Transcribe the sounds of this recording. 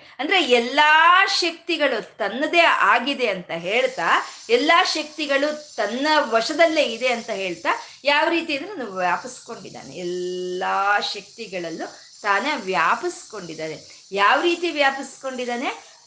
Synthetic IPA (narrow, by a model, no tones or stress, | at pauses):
ɐnd̪ɐɾe̞ɛlːaːʃɐk̚t̪iɡɐɭut̪ɐnːɐd̪eaːɡid̪e̞ɐnt̪ɐɦe̞ːɭt̪aːɛlːaːʃɐk̚t̪iɡɐɭut̪ɐnːɐʋɐʂɐd̪ɐlːeid̪e̞ɐnt̪ɐɦe̞ːɭt̪aː | jaːʋɾiːt̪iɐnd̪ɾenuʋjaːpɐsko̞ɳɖid̪a̰ːnḛɛlːaːʃɐk̚t̪iɡɐɭɐlːu | t̪aːnɐʋjaːpɐsko̞ɳɖid̪aːne | jaːʋɾiːt̪iʋjaːpɐsko̞ɳɖid̪aːne̞